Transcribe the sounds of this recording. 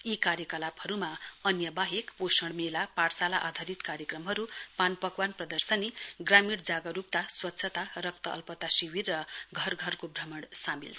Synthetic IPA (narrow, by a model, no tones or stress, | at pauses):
ikaɾjʌkʌlaphʌɾumaʌnjʌbaɦekposʌɽmelapaɽsalaʔad̪ʱaɾit̪kaɾjekrʌmɦʌɾupanpʌkwanprʌd̪ʌrsʌniɡramiɽd͡zaɡʌɾup̚t̪aswʌtːsʰʌt̪arʌk̚t̪ʌʔʌ̰lpʌt̪asiwirːʌɡʱʌrɡʱʌrkobʱrʌmʌɽsamḭlt͡sʰ